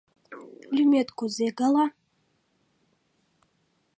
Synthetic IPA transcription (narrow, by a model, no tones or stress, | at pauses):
lʲymet̪kʷʰozeɡala